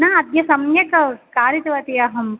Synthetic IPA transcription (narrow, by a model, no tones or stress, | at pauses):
nɐɐd̪jɐsɐmjɐkɐkaːɾit̪ɐʋɐt̪iɐɦɐm